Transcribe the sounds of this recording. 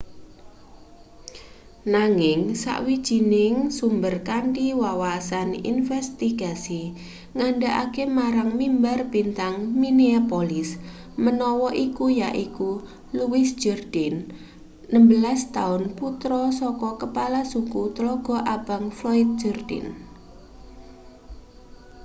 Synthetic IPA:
naŋɪŋsa̰ʔwid̥ʒ̥i̤nɪŋsumbərkaɳʈiwawasanḭnfɛst̪iɡ̥asi | ŋaɳɖaʔa̰kemaɾaŋmimbarbint̪aŋmineapolɪs | mənɔwɔʔikujaʔiku | luwɪsd̥d͡ʒ̥ərd̥ɪnː | əmbəlast̪aʊnput̪ɾɔsɔkɔkəpalasukut̪əlɔɡ̥ɔ̤ʔab̥a̤ŋflɔɪt̪̚d͡ʒ̥ərd̥ɪ̰n

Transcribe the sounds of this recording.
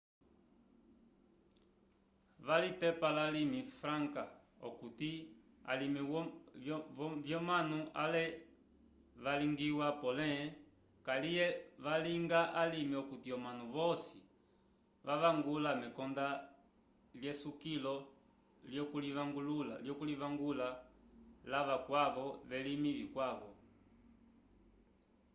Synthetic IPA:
ʋalitɛpalalimifɾaŋka | ɔ̰kuti | a̰limi | vjɔmanua̰lɛ | ʋaliŋɡiwapɔlɛ | kalijɛʋaliŋɡaʔalimiɔkutiɔmanuʋɔsi | ʋaʋaŋɡulamɛkɔnda | ljɛsukilɔ | ljɔkuliʋaŋɡulula̰ljɔkuliʋaŋɡula | laʋakwaʋɔʋɛlimilikwaʋɔ

